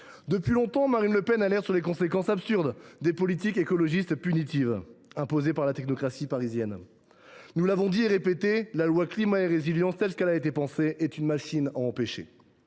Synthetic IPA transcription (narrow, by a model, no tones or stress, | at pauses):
d̪əpɥilɔ̃t̪ɑ̃maʁinləpɛnalɛʁsyʁlekɔ̃sekɑ̃sapsyʁd̪d̪epɔlit̪ikekɔlɔʒist̪pynit̪ivɛ̃pozepaʁlat̪ɛknɔkχasipaʁizjɛn | nulavɔ̃d̪ieʁepet̪elalwaklimaeʁeziljɑ̃st̪ɛlsəkɛlaet̪epɑ̃seʔɛt̪ynmaʃinaɑ̃peʃḛ